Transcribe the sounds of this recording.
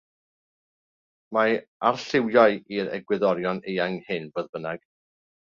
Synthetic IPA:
maarɬɪwjajiɾɛ̰ɡwɪðɔɾjɔnejaŋhɪnvəðbənaɡ̥

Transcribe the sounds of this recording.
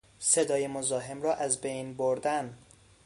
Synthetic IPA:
se̞d̪ɒːjemozɒːɦemrɒːʔæzbejnboɾd̪ænd̪

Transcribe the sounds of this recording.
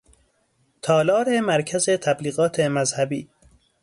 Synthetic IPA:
t̪ʰɒːlɒːɾemæɾkʰæzet̪ʰæbliːɣɒːt̪ʰemæzhæbḭː

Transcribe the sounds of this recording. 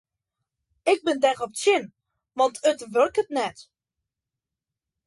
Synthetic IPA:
ɪk̚bɪndɛɣɔp̚sɪn | ʋɑntʰətʋørkətnɛt

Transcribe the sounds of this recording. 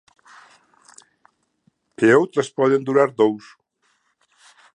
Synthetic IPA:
peowt̪ɾespɔðend̪uɾaɾd̪ows

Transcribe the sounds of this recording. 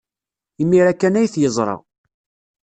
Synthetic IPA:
imːiɾækːænæjθjəzˤɾˤɑ̰

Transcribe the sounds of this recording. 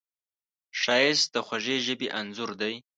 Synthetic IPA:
ʃɑjɪs̚d̪əxʷwaʒeʒəbeʔanzʊɾd̪aj

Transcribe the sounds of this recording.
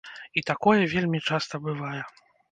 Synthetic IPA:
it̪akɔjɛvʲelʲmʲit͡ʂast̪ɐbɨvajɛ

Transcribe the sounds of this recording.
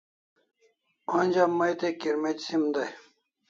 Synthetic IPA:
onʲd͡ʑamːɐjt̪ekiɾmet͡ɕsimd̪ɐj

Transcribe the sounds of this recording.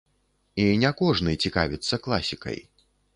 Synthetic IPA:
inʲɛkɔʐnɨjt͡sʲika̰vʲit̪sːɐklˠa̰sʲikɐ̰j

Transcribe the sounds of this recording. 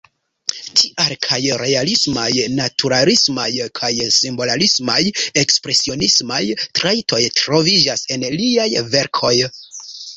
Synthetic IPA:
tʰiʔaɾkʰajɾe̞alismajnatʰuɾalismajkʰajsimbo̞lalismaje̞kspɾe̞sio̞nismajtɾajtʰo̞jtɾo̞vid͡ʒase̞nliajve̞ɾkʰo̞j

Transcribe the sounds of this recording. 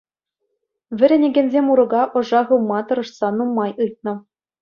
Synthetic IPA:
ʋʲɘ̆ɾʲĕnʲĕɡʲĕnʲzʲemʲuɾɤ̆ɡɑʔɤ̆ʐɑʁɯwmɑt̪ɤ̆ɾɤ̆ʂsɑnumːɑjɯjt̪̚nɤ̆

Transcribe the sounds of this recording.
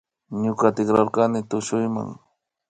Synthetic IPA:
ɲʊkat̪ɪkɾaɾkanɪt̪ʊʃʊjma̰ŋ

